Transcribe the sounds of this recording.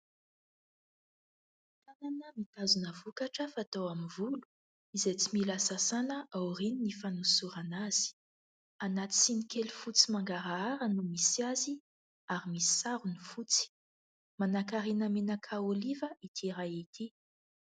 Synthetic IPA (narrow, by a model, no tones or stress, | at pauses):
t̪ananəmit̪azunəvukaʈ͡ʂəfat̪awamivulu̥ | izet͡similasasanəʔawrininifanusuɾanaz̥i̥ | anat̪i̥sinikelufut͡simaŋɡaɾaaɾənumisiazi | aɾimisi̥saɾunufut͡si̥ | manakaɾenəmenakʰaolivəʔit̪ʰiɾajit̪ʰi